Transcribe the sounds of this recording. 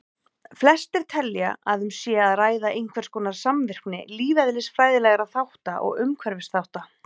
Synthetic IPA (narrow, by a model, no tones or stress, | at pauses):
flɛst̪ɪɾ̥t̪ʰɛlja̰aðʏmsjɛːaðraːjðaʔejn̥kʰvɛɾ̥skɔːnaɾ̥samvɪr̥knɪ̰liːvɛðlɪsfɾaːjðɪlɛɣaɾaðθawht̪a̰ʔɔ̰ɣʏmkʰvɛɾvɪsθawht̪a